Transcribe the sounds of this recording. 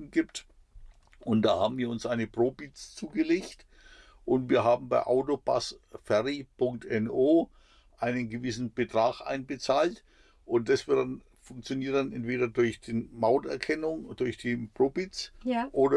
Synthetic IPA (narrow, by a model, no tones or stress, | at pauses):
n̩ɡiːpt | ʔʊntd̥aːha̰ːbm̩viːɐʊnsʔaɪnəpʁ̥oːbit͡st͡suːɡəleːçt | ʔʊntviːɐɦaːbm̩baɪʔa̰ʊtoba̰sfɛʁipʰʊŋk̚tɛnoː | ʔaɪnənɡəvɪsn̩b̥ətʁ̥aːxʔa̰ɪnbət͡saːlt | ʔʊnt̚d̥asv̥ɪɐt̚d̥an | fʊŋk̚t͡sjoniːɐt̚d̥anʔɛntv̥eːɾɐdʊɐçd̥eːnmaʊntɛɐkʰɛnʊŋd̥ʊɐçd̥iːpʁ̥oːbit͡sʔoːdɐ